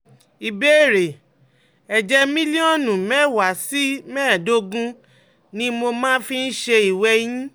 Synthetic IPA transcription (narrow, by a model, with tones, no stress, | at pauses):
i˨be˦˨ɾe˨ | ɛ˨d͡ʒɛ˧mĩ˦li˦ɔ̃˦˨nũ˨mɛ̃˦˨wa˨˦si˦mɛ̃ː˦˨do˦ɡũ˦ | nĩ˦mo˧mãː˦fĩ˧n̩˦ʃe˧i˨wɛ˧j̃ĩ˦